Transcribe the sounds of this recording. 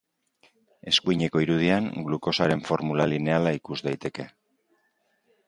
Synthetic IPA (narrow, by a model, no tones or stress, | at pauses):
e̞skuiɲe̞ko̞iɾuð̞iaŋɡluko̞saɾe̞ɱfo̞ɾmulaline̞alaikuzd̪ajt̪e̞ke̞